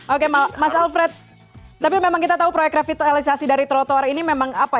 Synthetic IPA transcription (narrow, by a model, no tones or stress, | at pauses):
okemamasalfɾɛt̪̚ː | apimemaŋkit̪at̪aupɾojɛkrafit̪alisasidaɾit̪əɾot̪oaɾinimemaŋapa